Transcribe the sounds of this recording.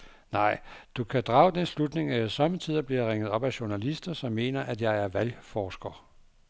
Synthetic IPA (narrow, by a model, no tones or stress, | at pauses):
nɑ̈ɪ̰d̥ukʰæd̥ʁɑ̈ːʊd̥enslud̥ne̝ŋæsɒ̽mət͡sʰið̰ˠɐb̥liɐʁeŋ̰ðˠɒ̽b̥æɕu̝ɐnælisd̥ɐsɒ̽mːe̝̰ːnɐʔæd̥jɑ̈ɪæɐʋælfɒːsɡ̥ɐ